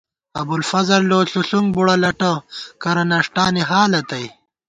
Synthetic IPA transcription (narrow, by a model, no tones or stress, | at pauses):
ɐbulfɐzɐɾloːɬuɬuŋɡbuɽɐlɐʈɐkɐɾɐnɐʂʈaːniɦaːlɐt̪ɐj